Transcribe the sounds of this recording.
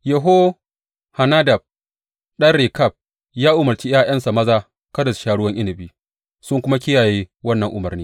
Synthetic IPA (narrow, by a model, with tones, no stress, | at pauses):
jɛ˨ɦo˦ | ha˨naː˦dɐ˨b̚ | ɗɐ˦rɽe˨kɐ˦˨b̚ | jaː˦ʔʊ˨mɐ˨rt͡ʃi˦jaː˦j̰ɐ˦nsa˨mɐ˦zaː˦ | kɐ˦dɐ˨sʃaː˦ɽʊ˦wɐ˦ŋʔɪ˦nɪ˨biː˦ | sʊ˦ŋkʷʊ˦ma˦kʲɪ˦jaː˨jeː˦wɐ˦nːɐ˨ŋʔʊ˨mɐ˨rniː˦